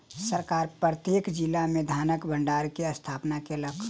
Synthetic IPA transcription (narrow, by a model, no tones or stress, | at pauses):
səɾkaːɾpɾət̪jeːkd͡ʒilamẽd̪ʱaːnəkbʱə̃ɳɖaːɾkeɐst̪ʰaːpnakeləkʰː